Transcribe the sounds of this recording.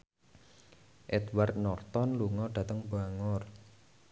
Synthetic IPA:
ʔɛd̪wart̪̚nɔrt̪ɔnluŋɔɖ̥a̤t̪əŋbaŋɔr

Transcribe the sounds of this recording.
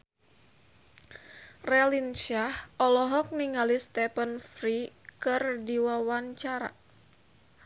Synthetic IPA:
rɛlinʃahʔɔlɔɦɔk̚niŋalist̪ɛpənfɾikɨrdiwawaɲt͡ʃaɾa̰

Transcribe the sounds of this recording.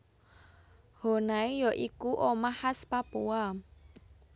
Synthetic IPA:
ho̤naijɔʔikuʔomahaspapua

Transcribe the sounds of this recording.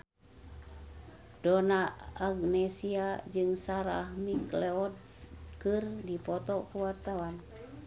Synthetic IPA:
donaaɡnɛsiad͡ʒɨŋsaɾa̰hmiklɛɔd̚ | kɨrdipɔt̪ɔkuwart̪awan

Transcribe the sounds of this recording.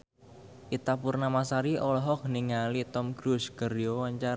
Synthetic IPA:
ʔit̪apurnamasaɾiʔɔlɔɦɔk̚niŋalit̪ɔmɡɾusɡərijowaɲt͡ʃar

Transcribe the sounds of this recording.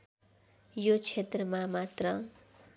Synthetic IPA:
jot͡sʰet̪rʌmamat̪rʌ

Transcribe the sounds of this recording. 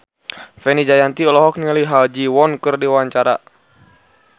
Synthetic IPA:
fɛnid͡ʒajant̪iɔlɔɦɔk̚niŋaliɦald͡ʒiwɔnkɨrdiwaɲt͡ʃaɾa̰

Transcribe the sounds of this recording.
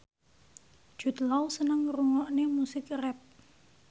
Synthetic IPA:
ʒ̥ṳt̪lawsənəŋruŋɔʔnemusɪkrɛp̚

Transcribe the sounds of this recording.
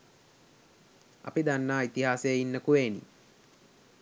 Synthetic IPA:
a̰pid̪anːaːit̪iɦaːsejəinːəkuʋeːnḭ

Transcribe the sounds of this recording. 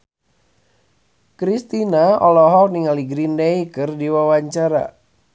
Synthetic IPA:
kɾist̪inaɔlɔɦɔk̚niŋaliɡɾindeikɨrdiwawaɲt͡ʃaɾa̰

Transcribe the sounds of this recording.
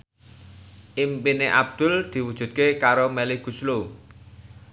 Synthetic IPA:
ʔimpineʔa̰b̚d̪̥ʊ̤ld̪̥i̤wud̥ʒ̥ṳt̪̚kekaɾomelɪɡ̥ṳslu

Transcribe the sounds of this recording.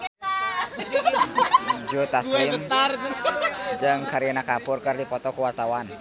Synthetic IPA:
d͡ʒut̪aseisəmt̪ar | d͡ʒɨŋkaɾianakapʊrkərdipɔt̪ɔkəwart̪awan

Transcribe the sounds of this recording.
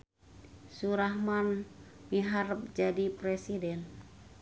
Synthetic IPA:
suɾahmanmiɦarp̚d͡ʒadipɾɛsidɛn

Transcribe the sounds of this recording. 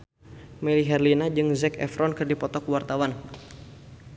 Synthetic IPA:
mɛɾiɦɛrlinad͡ʒɨŋzɛkɛ̰fɾɔnkɨrdipɔt̪ɔkuwart̪awan

